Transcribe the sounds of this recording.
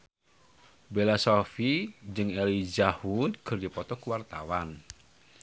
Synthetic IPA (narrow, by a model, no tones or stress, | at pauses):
belasɔfid͡ʒɨŋɛlid͡ʒahuɡ̥ərdipɔt̪ɔkuwart̪awan